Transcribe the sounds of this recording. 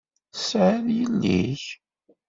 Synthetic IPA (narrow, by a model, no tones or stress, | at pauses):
sʕəðjəlːḭç